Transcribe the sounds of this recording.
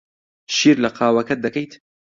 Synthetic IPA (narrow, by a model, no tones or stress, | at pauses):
ʃiːɾlɐqʰɑːwɐkɐt̪̚d̪ɐkɐjt̪